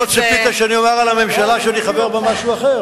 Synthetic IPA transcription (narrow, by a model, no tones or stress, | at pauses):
ot̪ʃepit̪aʃeaniomaʁalame̞mʃalaʃeaniχabeʁbemaʃuaχe̞